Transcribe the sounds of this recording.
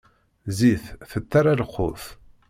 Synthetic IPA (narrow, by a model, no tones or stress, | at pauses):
ziθθət̪ːaɾalqːʊ̰f